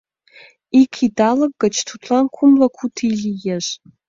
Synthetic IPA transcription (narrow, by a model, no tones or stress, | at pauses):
ikʰidalak̚ɡɐt͡ʃʰtʰutʰlankʷʰʊmlakʰʷutʰiɮʲijaʒ